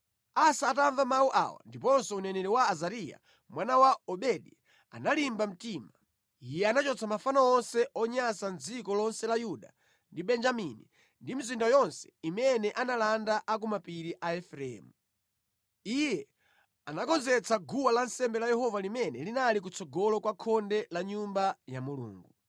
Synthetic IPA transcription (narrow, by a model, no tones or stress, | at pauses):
asaːtaɱvamawuʔa̰wa̰ndip̬ɔnsɔunɛnɛɾɛwaːzaɾija̰ | mwanawaɔɓɛɗi | a̰nalimbam̩tima | ijɛanat͡ʃɔt͡sʰamafanaɔnsɛʔɔɲasand͡zikɔlɔnsɛlajuɗa̰ | ndiɓɛnd͡ʒamini | ndimizindajɔnsɛ̥imɛnɛʔanalandaʔak̬umapiɾiʔaɛfɾɛɛ̰ːmu | ijɛ | anakɔnzɛt͡saɡuwalansɛmbɛlajɛɦɔvalimɛnɛlinalik̬ut͡sɔɡɔlɔkwakʰɔndɛlaɲumbajamulṵːŋɡu